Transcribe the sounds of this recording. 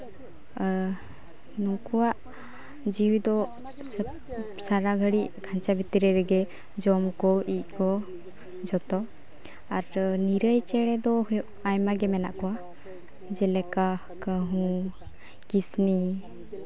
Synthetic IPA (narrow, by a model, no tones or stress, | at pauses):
nũkɔwaʔ | d͡ʒiwd̪ɔ | saɾaɡʱəɽiʔkʰant͡ʃabʱit̪iɾɛɾɛɡɛ | d͡ʒɔmkɔʔic̪̚ˀkʰɔ | d͡ʒɔt̪ɔ | aɾniɾəjt͡ʃɛɽɛd̪ɔɦɔjɔʔajmaɡɛmɛna̰ʔkɔwa | d͡ʒɛlɛka | kəɦũ | kisni